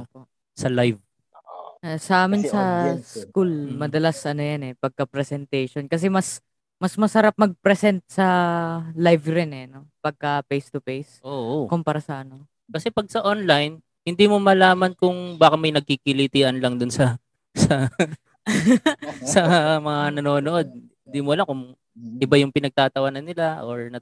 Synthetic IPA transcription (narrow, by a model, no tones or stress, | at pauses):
ʔopo̞ʔ | sɐlajv | ʔasɐʔaːmɪnsɐskulmɐd̪ɐlasʔɐnojɐnɛpɐɡ̚kɐpɾɛsɛnt̪ɛjʃonkɐs̬ɛmɐs | mɐsmɐsɐɾap̚mɐɡ̚pɾɛsɛnt̪̚sɐ | lajvɾɪnɛno̞pɐɡ̚kɐpejst̪ʊpejsʔoʔokʊmpɐɾasɐʔɐno̞ | kɐsɛpɐɡ̚sɐʔonlajn | hɪnd̪iːmomɐlaːmɐnkʊŋbaːkɐmɐjnɐɡ̚kikɪlit̪iːʔɐnlɐŋd̪ʊnsɐ | sɐ | sɐmɐŋanɐno̞ːnoʔo̞d̪̚hɪnd̪iːmoɐlakʊŋ | ʔɪbajʊŋpɪnɐɡ̚t̪aːt̪ɐwanɐnɪlaʔoɹnɐ